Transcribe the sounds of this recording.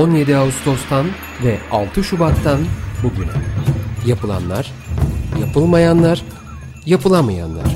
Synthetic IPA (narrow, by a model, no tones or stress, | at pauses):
o̞nje̞d̪iaust̪ʰo̞st̪ʰan | vɛa̰lˠt̪ʰɯʃubat̪ʰːanbuɟynjapʰɯlˠa̰nlˠa̰ɾ̥ | japʰɯlˠmajanlˠaɾ | japʰɯlˠamaja̰nlˠa̰ɾ̥